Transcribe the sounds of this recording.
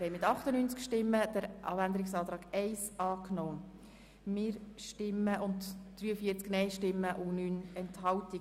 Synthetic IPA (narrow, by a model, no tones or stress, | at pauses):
hɛɪmɪtɑχtənyːnt͡skʃtɪmːəd̥əɾʔɑ̰ːbænd̪əɾɪksɑːt̪ɾɑːɡɛɪsɑːknoː | mɪːɾʃtɪmːəʔʊntd̥ɾyːəfiəɾt͡sknɛɪʃtɪmːəʔʊnyːnɛnthɑlti